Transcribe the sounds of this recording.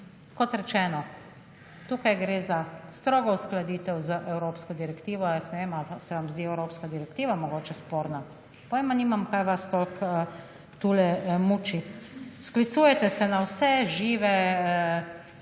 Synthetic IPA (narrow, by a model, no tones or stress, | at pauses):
kɔt̪ɾɛt͡ʃɛːnɔ | t̪uːkajɡɾeːzast̪ɾoːɡɔusklad̪iːt̪ɛwzəʔɛwɾoːpskɔd̪iɾɛkt̪iːʋɔjɛstnɛʋeːmasɛʋamzd̪iɛwɾoːpskad̪iɾɛkt̪iːʋamɔɡoːt͡ʃɛspoːɾna | pɔʋemaniːmamkajʋast̪olkə | t̪uːlɛmuːt͡ʃisklit̪suːjɛt̪ɛsɛnawsɛʒiːʋɛ